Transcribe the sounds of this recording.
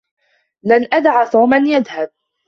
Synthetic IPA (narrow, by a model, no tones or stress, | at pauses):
lanʔad̪ʕat̪ˤɑːmanjaðhab̚